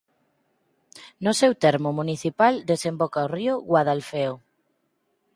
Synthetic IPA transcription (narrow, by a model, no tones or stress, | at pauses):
nʊsewt̪ɛɾmʊmuniθipald̪esembɔkaorioɣwaðalfeo